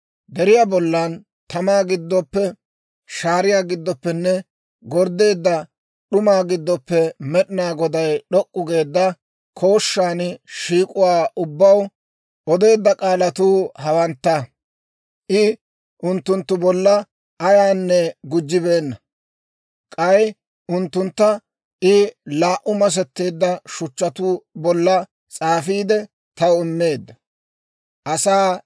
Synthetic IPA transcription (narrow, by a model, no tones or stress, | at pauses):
d̪ɛɾɪjaːbɔlːan | t̪ɐmaːɡɪd̪ːɔpːɛ | ʃaːɾɪjaːɡɪd̪ːɔpːɛnːɛ | ɡɔɾd̪e̞ːd̪ːɐ | ɗʊmaːɡɪd̪ːɔpːɛmɛɗɪnaːɡɔd̪ɐjɗɔkʼːʊɡe̞ːd̪ːɐ | kʰo̞ːʃːaːnɪʃiːkʼʊwaːʔʊbːɐw | ʔɔd̪e̞ːd̪ːɐkʼaːlɐt̪uːhɐwɐnt̪ːa | ʔɪ | ʔʊnt̪ːʊnt̪ːʊbɔlːɐ | ʔɐjaːnːɛɡʊd͡ʒːɪbe̞ːnːɐ | kʼɐj | ʔʊnt̪ːʊnt̪ːɐ | ɪlaːʔʊmɐs̬ɛt̪ːe̞ːd̪ːɐʃʊt͡ʃːɐt̪uːbɔlːɐ | t͡sʼaːfiːd̪ɛ | t̪ɐwɪmːe̞ːd̪ːɐ̥ | ʔɐsaː